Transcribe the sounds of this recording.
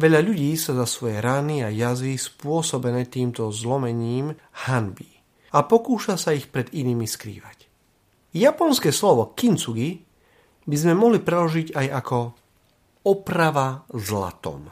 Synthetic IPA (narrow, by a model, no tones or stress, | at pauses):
ʋɛʎaʎuɟiːsazasʋɔjɛɾaniajazispʊɔsɔbɛnɛːt̪iːmt̪ɔzlɔmɛɲiːmhanbi | apɔkuːʃasaixpɾɛd̪iniːmiskɾḭːʋac | japɔnskɛːslɔʋɔkint͡suɡi | bizmɛmɔɦlipɾɛlɔʒiɟajakɔ | ɔpɾaʋazla̰t̪ɔ̰m